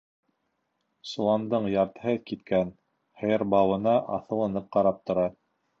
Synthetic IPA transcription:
sŏlˠɑnd̪ɤɴjɑɾt̪hɘðkit̪kæn | hɘ̆jɤɾbɑwɤ̆nɑʔɑθɤ̆lˠɤ̆nɤp̚qɑɾɑp̚t̪ŏɾɑ

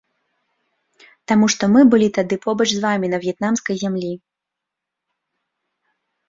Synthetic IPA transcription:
t̪amuʂt̪ɔmɨbɨlʲit̪ad̪ɨpɔbɐt͡ʂzvamʲinɐvʲjɛt̪namskɐjzʲamlʲi

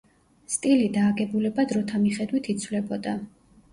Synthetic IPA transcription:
st̪ʼilid̪aːɡɛbulɛbad̪ɾɔt̪ʰamiχɛd̪wit̪ʰit̪sʰwlɛbɔd̪a

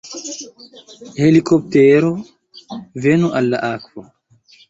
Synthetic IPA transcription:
helikop̚teɾo | venuʔalːa̰ʔakvo

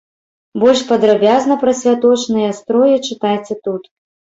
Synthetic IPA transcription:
bɔlʲʂpɐd̪ɾabʲaznɐpɾɐsʲvʲat̪ɔt͡ʂnɨjɐst̪ɾɔjɛt͡ʂɨt̪ajt͡sʲɛt̪ut̪

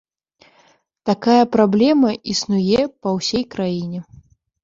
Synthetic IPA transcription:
t̪akajɐpɾablʲɛmɐʔisnujɛpɐwsʲɛjkɾajinʲɛ

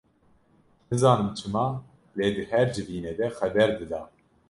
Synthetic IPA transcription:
nɨzɑːnɨmt͡ʃʰɨmɑː | leːd̪ɨhɛɾd͡ʒɨviːned̪ɛxɛbɛɾd̪ɨd̪ɑː

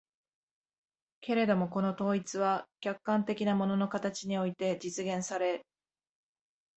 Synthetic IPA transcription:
ke̞ɾe̞d̪o̞mo̞ko̞no̞t̪o̞ːit͡sɨβakʲakːãnt̪e̞kʲinamo̞no̞no̞kat̪at͡ɕiɲ̟io̞it̪e̞d͡ʑit͡sɨɡẽ̞ɰ̃saɾe̞

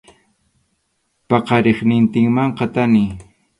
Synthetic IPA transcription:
pɑqɑɾeχnɪnt̪ɪŋmaɴqɑt̪anɪ

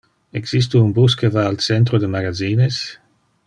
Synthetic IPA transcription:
eɡsis̬t̪uunbus̬kevaːlt͡sɛnt̪ɾod̪əmaɡaziːnes

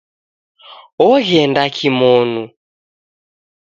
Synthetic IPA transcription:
ɔɣɛndakʰimɔnu

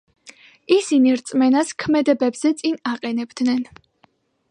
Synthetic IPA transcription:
isiniɾt̪sʼmɛnaskʰmɛd̪ɛbɛbz̥ɛt̪sʼinaqʼɛnɛbd̪nɛn

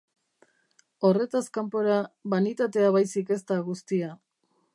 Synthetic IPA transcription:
o̞re̞t̪askampo̞ɾaβanit̪at̪e̞aβajsike̞st̪aɣust̪ia

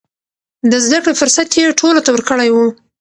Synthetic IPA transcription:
d̪əzd̪akɽefʊɾsat̪jeʈʰolot̪awəɾkəɽajwu

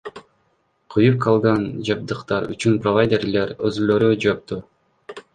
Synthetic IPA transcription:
qʰɯjup̚qʰɑlˠʁɑnd͡ʒɑb̚d̪ɯqt̪ɑɾy̰t͡ʃynprovajd̪ʲerleɾøzyløɾyd͡ʒop̚t̪u

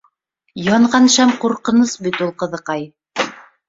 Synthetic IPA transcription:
jɑɴʁɑnʃæmquɾqɤ̆nɤsbit̪ulˠqɤ̆ðɤ̆qɑj

